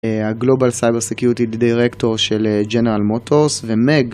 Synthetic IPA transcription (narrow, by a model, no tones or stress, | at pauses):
haɡlo̞balsajbeʁsekjuʁit̪iddiʁekto̞ʁʃeled͡ʒeneʁalmotʰoʁsvemeɡ